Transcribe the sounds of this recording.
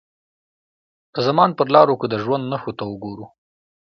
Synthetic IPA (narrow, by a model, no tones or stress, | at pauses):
d̪̥əzamɑnpəɾlɑɾokəd̪əʒwand̪naxot̪awʊɡoɾu